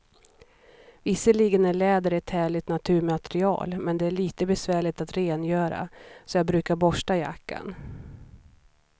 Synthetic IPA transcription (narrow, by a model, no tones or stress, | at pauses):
vɪsːəliːɡənæɭɛːd̪əɾɛt̪hæːɭɪt̪nat̪ʰʉ̟ːɾmat̪ɛɾɪɑ̰ːlmɛnd̪ɛæɭiːt̪əbɛsvæːɭɪt̪at̪ɾeːnjœːɾa̰sɔjɑːɡbɾʉ̟ːkaɾbɔʂʈaja̰kːa̰n